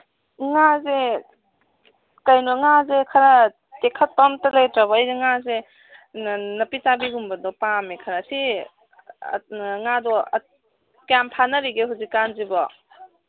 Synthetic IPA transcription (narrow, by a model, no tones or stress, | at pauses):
ŋaze | kajnɔŋazekʰaɾa | tekʰɐt̚pamtɐlajtɾabɔːjɡeŋaze | nɐpitabiɡumbɐdɔpamekʰaɾasi | ŋadɔ | kampʰanɐɾiɡeɦuzikːanzibɔ